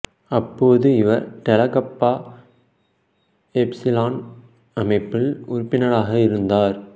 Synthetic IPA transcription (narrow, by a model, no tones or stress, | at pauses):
ɐpːoːðɯɪʋɐɾʈ̪ɛlɐkɐpːaː | ɛpsɪlaːn | ɐmɐɪpːɪlʊɾpːɪnɐɭaːɣɐɪɾɯnd̪aːɾ